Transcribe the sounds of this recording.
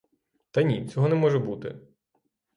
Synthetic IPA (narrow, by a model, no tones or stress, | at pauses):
t̪ɐjnʲit͡sʲɔɦɔnɛmɔʒɛbut̪ɪ̰